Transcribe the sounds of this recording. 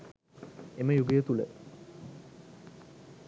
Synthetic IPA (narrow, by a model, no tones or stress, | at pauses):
eməjuɡejət̪ulə̰